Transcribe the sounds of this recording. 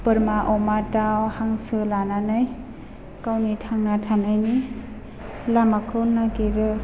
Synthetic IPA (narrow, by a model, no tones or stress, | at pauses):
pɯɾmaʔɔmatawhaŋsɯlananɯj | kawnitʰaŋnatʰanajni | lamakʰɯnːakeɾɯ